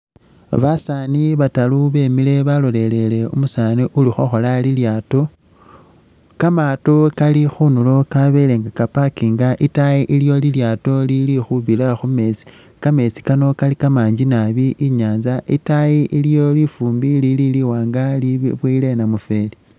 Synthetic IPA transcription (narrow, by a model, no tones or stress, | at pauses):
βasaniβataluβe̞ːmile̞βalo̞le̞le̞le̞umusaniʔulixoxo̞laliljaːto̞ | kamatokalixunulo̞kaβe̞leŋɡakapakiŋɡaʔitajiʔiljo̞liljaːto̞lilixuβilaxume̞t͡si̥ | kame̞t͡si̥kano̞kalikamaːɲd͡ʒinaβiʔiɲaːnzaʔitajiʔiljo̞lifuːmbilililiwaːŋɡaliβwile̞namufe̞li